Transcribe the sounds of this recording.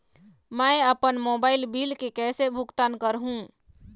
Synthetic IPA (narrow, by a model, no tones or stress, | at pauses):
mɛ̃ɪəpənmoːbaːɪlbiːlkekɛːsebʱʊkt̪aːnkəɾɦũ